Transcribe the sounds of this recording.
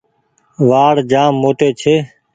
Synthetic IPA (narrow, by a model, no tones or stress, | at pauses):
ʋaːɽd͡ʒaːmːoːt̪eːt͡ʃʰeː